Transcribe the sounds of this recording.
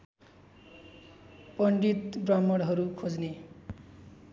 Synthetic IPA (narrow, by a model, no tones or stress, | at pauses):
pʌɳɖit̪bramːʌɽɦʌɾukʰod͡zne